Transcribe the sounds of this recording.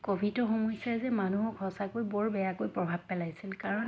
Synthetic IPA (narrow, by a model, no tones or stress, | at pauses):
kobʱitɔxɔmɔjsjazɛmanuɦɔkʰɔsakojbɔɹbɛjakojpɹɔbʱab̚pɛlajsilkaɹɔn